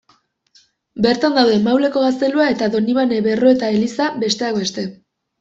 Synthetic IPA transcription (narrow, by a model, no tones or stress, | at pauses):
be̞ɾt̪and̪awðe̞mawle̞ko̞ɣast̪e̞luae̞t̪aðo̞niβane̞βe̞ro̞e̞t̪ae̞lisabe̞st̪e̞akbe̞st̪e̞